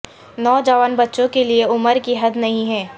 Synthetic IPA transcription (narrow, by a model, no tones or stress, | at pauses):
nɔːd͡ʒaːʋənbɐtːʃõkelieʊməɾkiɦɐd̪nɐɦĩɦɛ̃ː